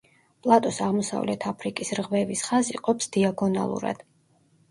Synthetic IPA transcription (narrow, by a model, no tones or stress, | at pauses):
pʼlˠat̪ʼɔsaʁmɔsa̰vlɛt̪ʰapʰɾikʼisɾʁvɛvisχaziqʼɔpsd̪̥iaɡɔna̰lˠṵɾa̰d̪̥